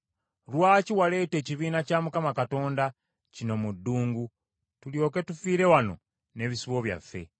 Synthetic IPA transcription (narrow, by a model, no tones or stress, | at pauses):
lwaːciwale̞ːte̞ːciβiːnacaːmukamakato̞ːnda | cino̞mudːuːŋɡu | tuljo̞ke̞tufiːɾe̞wano̞̰ | ne̞βisiβo̞βja̰fːe̞̰